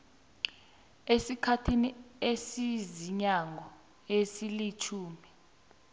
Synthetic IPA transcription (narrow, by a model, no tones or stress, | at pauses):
esikʰatʰiniesiziɲaŋʱɔ | esilit͡ʃʰuːmi